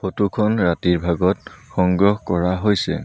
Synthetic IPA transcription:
xotukʰɔnɹatiɹbʱaɡɔt̚xɔŋɡɹɔxkɔɹaɦojsɛ̰

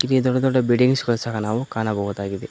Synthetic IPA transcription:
inid̪ɔɖːɐd̪ɔɖːɐbiɖiŋɡskɔlsɐkɐnaːʋukaːnɐbɔɣud̪aːɡid̪i

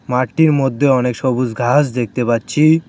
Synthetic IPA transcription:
maɾʈːiɾmod̪ʱːeɔnekʃobud͡zɡʱasd̪ek̚t̪epatːɕʰi

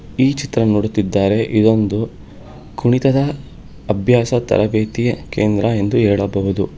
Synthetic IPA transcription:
iːt͡ʃit̪ɾɐnoːɽut̪ːid̪ːaːɾe̞ʔid̪o̞nd̪u | kuɳit̪ɐd̪ɐː | bʱjaːsɐt̪ɐ̰ɾɐbeːt̪ijɐkeːnd̪ɾɐe̞nd̪uɦɛːɭɐbɐʋud̪u

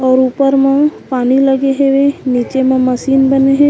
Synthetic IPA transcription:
ɔːɾuːpəɾmãpaːniləɡeɦeʋẽniːt͡ʃemãməsiːnbəneɦẽ

